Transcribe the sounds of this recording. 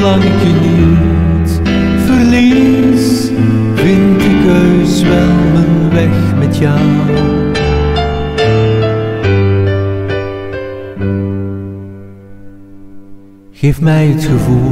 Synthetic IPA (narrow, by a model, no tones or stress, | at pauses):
lɑŋɪkjəni | t | fərli | s | vɪntəkøɥsʋɛlˠɦənʋɛxmɛtja | ɣeːfmɛjətxəvu